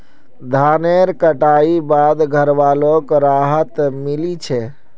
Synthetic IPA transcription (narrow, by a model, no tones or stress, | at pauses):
d̪ʱaneɾkəʈaibad̪ɡʱəɾʋalokɾaɦət̪milit͡ʃʰɛ